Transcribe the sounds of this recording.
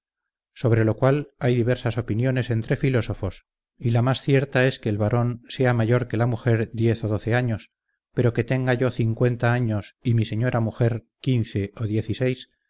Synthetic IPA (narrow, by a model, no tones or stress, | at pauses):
so̞β̞ɾe̞lo̞kwalajðiβe̞ɾsaso̞pinjo̞ne̞se̞nt̪ɾe̞filo̞so̞fo̞s | ilamasθje̞ɾt̪ae̞skeːlβaɾo̞nse̞amaʝo̞ɾke̞lamuxe̞ɾðje̞θo̞ð̞o̞θe̞aɲo̞s | pe̞ɾo̞ke̞t̪eŋɡaʝo̞θiŋkwe̞nt̪aaɲo̞simise̞ɲo̞ɾamuxe̞ɾ | kinθe̞oðje̞θise̞js